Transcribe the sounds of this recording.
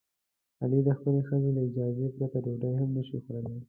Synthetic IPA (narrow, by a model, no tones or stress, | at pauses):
alid̪əxpəlexəzelaɪd͡ʒɑzepɾat̪ad̪oɖajɦamnəʃixɾəle